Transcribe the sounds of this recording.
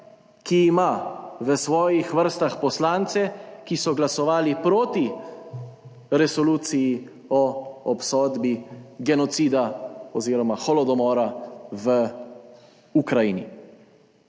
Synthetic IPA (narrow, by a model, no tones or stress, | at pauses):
kiːmaʋəsʋɔːjixʋəɾst̪axpɔslaːnt̪sɛkisɔɡlasɔʋaːlipɾoːt̪i | ɾɛsɔluːt̪siji | ɔɔpsɔːd̪biɡɛnɔt̪siːd̪aɔziːɾɔmaxɔlɔd̪ɔmɔːɾaʋə | ukɾajiːnḭ